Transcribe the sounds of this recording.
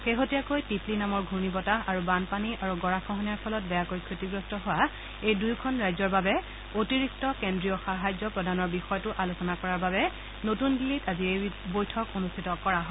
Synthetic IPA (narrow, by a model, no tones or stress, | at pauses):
xeɦotijakojtiplinamɔɹɡʱunibɔtaaɹubanpaniʔaɹuɡɔɹaxɔɦɔnijaɹpʰɔlɔt̚bɛjakojkʰɹitiɡɹɔstɔɦʊwa | ejdujkʰɔnɹajzɔɹbabɛ | otiɹik̚tɔkendɹijɔxaɦajzɔpɹɔdʱanɔɹbixɔjɔtʊʔalusɔnakɔɹaɹbabɛ | notundilitaziejbojtʰɔkonustʰitɔkɔɹaɦɔ